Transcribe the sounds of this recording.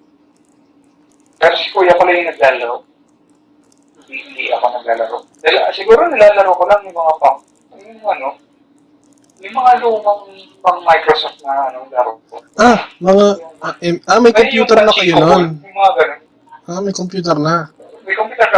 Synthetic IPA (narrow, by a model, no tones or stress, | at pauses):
kɐɾskuːjɐkolɐjʊnɐɡ̚laːlɐɾo | d̪ɪʔɪnd̪ḭʔɐkonɐɡ̚laːlɐɾod̪ɐlasɪɡuːɾonɐlaːlɐɾokolaŋjʊŋmɐŋapɐŋ | jʊŋŋɐno | jʊŋmɐŋaʔɐnomɐŋ | pɐŋmajkɾosoft̪̚nɐʔɐnolɐɾokoʔamɐŋaɛʔamɐjkompjuːt̪ɛɾnɐkɐjononmɐŋaɡɐnon | ʔamɐjkompjuːt̪ɛɾnɐ | mɐjkompjuːt̪ɛɾɐ